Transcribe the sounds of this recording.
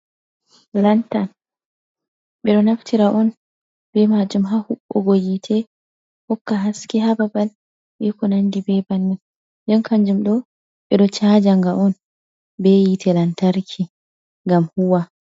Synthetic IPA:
lantan | ɓɛɗɔnaftʰiɾaʔɔn | bɛmad͡ʒumɦahuɓːɔ̰ɡojitʰɛ | hɔkːaɦaskiɦababal | ɓɛkɔnandibɛbanːin | ndɛnkaɲd͡ʒumɗɔ | ɓɛɗɔt͡ʃad͡ʒaŋɡaʔɔn | bɛjitʰɛlantaɾkʰi | ŋɡamhuwa

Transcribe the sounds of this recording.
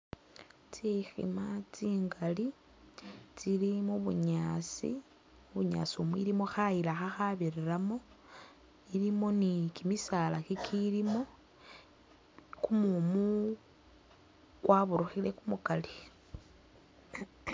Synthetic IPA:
t͡sixḭmat͡siːŋɡali | t͡silimuβṵɲaːsḭ | uβuɲa̰siumwḭɾimoxailaxaxaβiriɾamo̞ | ilimo̞nikimisalakikʰilimo̞ | kumumu | kwʔaβuɾuxile̞kumukali

